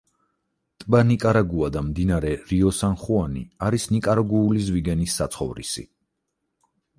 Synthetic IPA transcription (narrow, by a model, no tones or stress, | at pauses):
t̪ʼbanikʼaɾaɡuad̪amd̪inaɾɛɾiɔsanχuanḭaɾisnikʼaɾaɡuːlizviɡɛnisːat̪sʰχɔvɾḭsḭ